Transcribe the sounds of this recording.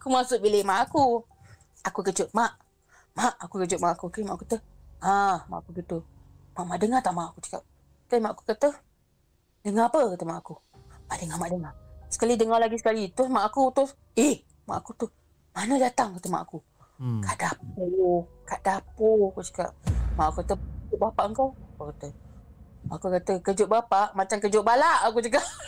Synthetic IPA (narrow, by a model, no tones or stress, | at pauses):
akumasʊʔbilɪmaʔaku | akukət͡ʃʊʔ̚maʔ | maʔakukət͡ʃʊʔ̚maʔakukamaʔakut̪u | ama̰ʔakuɡit̪umaʔmaʔdəŋat̪aʔmaʔakut͡ʃə̥ka̰p̚ | kəmaʔaku̥kəʔt̪u | dəŋapəkət̪umaʔaku | maʔdəŋahmaʔdəŋasə̥kalidəŋahlaɡisə̥kalit̪ɾʊsmaʔakut̪ʊs | ih | ma̰ʔakut̪u | manədat̪aŋkət̪əma̰ʔaku | kaʔdapokaʔdapokut͡ʃə̥ka̰pmaʔakukat̪əkəd͡ʒʊʔ̚bapaʔəŋkawapakət̪ə | maʔakukat̪əkəd͡ʒʊʔbapaʔmat͡ʃaŋkəd͡ʒʊʔbalaʔak̬ut͡ʃəkaʔ